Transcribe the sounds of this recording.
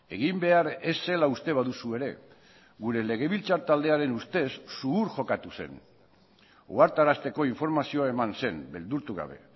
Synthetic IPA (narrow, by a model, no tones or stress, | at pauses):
e̞ɣimbe̞aɾe̞sːe̞laust̪e̞β̞aðusue̞ɾe̞̰ | ɣuɾe̞le̞ɣe̞βilt͡saɾt̪ald̪e̞aɾe̞nust̪e̞sːuuɾʝo̞kat̪use̞̰n | o̰aɾt̪aɾast̪e̞ko̞iɱfo̞ɾmasio̞ae̞manse̞mbe̞ld̪uɾt̪uɣa̰β̞e̞̰